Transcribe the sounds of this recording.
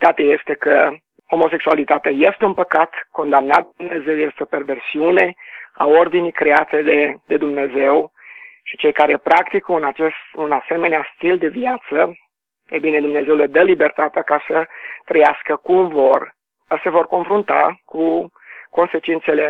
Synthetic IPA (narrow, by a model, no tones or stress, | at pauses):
d̪̥at̪əje̞st̪e̞kə | homo̞se̞ksualit̪at̪eaje̞st̪eunpəkat̪ko̞nd̪amnat̪̚umne̞ze̞wjest̪eope̞rve̞rsiune̞a̰o̞rd̪inijkɾe̞at̪e̞d̪ed̪e̞d̪umne̞ze̞wʃi̥t͡ʃe̞jkaɾe̞pɾakt̪ikunat͡ʃest̪unase̞me̞neast̪ild̪e̞viat̪sə | ebine̞d̪umne̞ze̞wləd̪əlibe̞rt̪at̪eakasət̪ɾəjaskəkumvo̞r | əse̞vo̞rko̞nfɾunt̪a̰ku | ko̞nse̞t͡ʃint̪se̞le̞